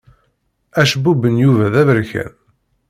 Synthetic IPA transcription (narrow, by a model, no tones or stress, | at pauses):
æʃbubənjuvæðævəɾçæ̰n